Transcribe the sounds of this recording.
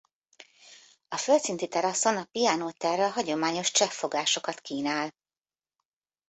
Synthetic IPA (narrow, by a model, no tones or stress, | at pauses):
ɒfølt̪sint̪it̪ɛɾɒso̞nɒpijɒnoːt̪ɛrɛɒɦɒɟo̞maːɲo̞ʃt͡ʃɛfːo̞ɡaːʃo̞kɒt̪kiːnaːl